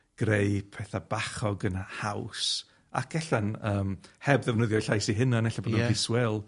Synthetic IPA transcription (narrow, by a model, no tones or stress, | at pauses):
ɡ̥rejpʰɛθabaχɔɡənhaws | a̰kʰɛɬanəːmhɛbðɛvnəðjɔjɬajsiɦɪnanɛɬabɔdnɔiswɛlˠ